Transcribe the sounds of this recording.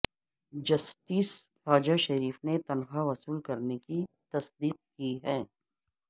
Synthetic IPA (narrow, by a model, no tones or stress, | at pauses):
d͡ʒɐsʈiːs | xaːd͡ʒaʃɐɾiːfnet̪ɐnxaʋɐsuːlkɐɾnekit̪ɐsd̪iːq̚kiɦɛː